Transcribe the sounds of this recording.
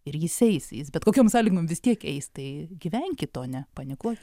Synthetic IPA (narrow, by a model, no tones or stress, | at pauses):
ɪɾjɪsɛɪsjɪsbʲɛt̪koːkʲoːmsɑːlʲɪɡomʋʲɪst̪ʲiɛkɛɪst̪ɐɪɡʲiʋʲɛŋʲkʲɪt̪oːnʲɛpɐnʲɪkuɔtʲ